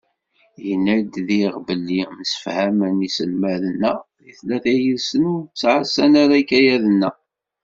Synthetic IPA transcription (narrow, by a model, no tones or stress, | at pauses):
jənːæd̪ðiʁbəlːiməsə̥fhæmənisəlmæðənːæðiθlæθæjəlsənut͡sːʕasænaɾækːæjæðənːæ